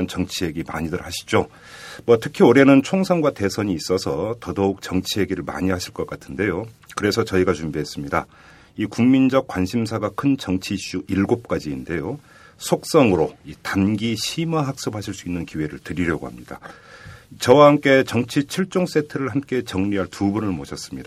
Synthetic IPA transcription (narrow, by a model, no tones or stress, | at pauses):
nt͡ɕʌŋt͡ɕʰie̞ɡima̰ɲidɯɾhaɕʰi̥d͡ʑo | mwʌtʰɯkʰioɾe̞nɯnt͡ɕʰoŋsʰaŋɡwate̞sʰʌɲiːs͈ʌsʰʌtʌdouk̚t͡ɕʌŋt͡ɕʰiɦe̞ɡiɾɯɭma̰ɲiɦhaɕʰiɭk͈ʌk͈atʰɯnde̞jokɯɾe̞sʰʌt͡ɕʌiɡat͡ɕumbiɦe̞s͈ɯmɲida̰ | ikuŋmind͡ʑʌk̚k͈wanɕʰimsʰaɡakʰɯnt͡ɕʌŋt͡ɕʰiɕ͈uʔiɭɡop̚k͈ad͡ʑiːnde̞jo | sʰok̚s͈ʌŋɯɾoitanɡiɕʰimaɦak̚s͈ophaɕʰiɭs͈uinːɯnkiwe̞ɾɯɭtɯɾiɾjʌɡohamɲid̥a̰ | t͡ɕʌwahamk͈e̞t͡ɕʌŋt͡ɕʰit͡ɕʰiɭt͡ɕ͈oŋs͈e̞tʰɯɾɯɭhamk͈e̞t͡ɕʌŋɲiɦaɭtubunɯɭmoɕʰʌs͈ɯ̥mɲid̥